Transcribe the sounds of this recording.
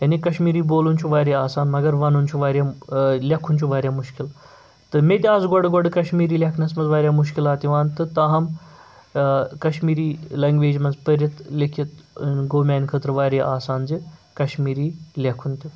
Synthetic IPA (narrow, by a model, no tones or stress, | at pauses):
jɐnikɐʃmiːɾiːboːlunʲt͡ʃʰuʋaːɾʲeaːsaːnmɐɡɐɾʋanunt͡ʃʰuʋaːɾʲjalʲakʰunʲt͡ʃʰuʋaːɾʲjaːmuʃkil | t̪ɨmʲet̪ʲaːzɡɔɖɡɔɖkɐʃmiːɾiːlʲakʰnɐsmɐzʋaːɾʲjaːmuʃ̬kilaːt̪iʋaːnt̪ɨt̪ɐɦɐm | kɐʃmiːɾiːlɐŋɡʋeːd͡ʒmɐzpɐɾʲjɐt̪lʲekʰit̪ɡoːmʲaːnkʰət̪ɾɐʋaːɾʲeʔaːsaːnd͡zikɐʃmiːɾiːlʲɐkʰunt̪ʲi